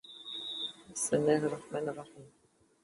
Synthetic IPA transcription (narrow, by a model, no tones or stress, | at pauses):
ɪsmɪnːæːhrˤɑħmæːnɑrˤːɑħiːm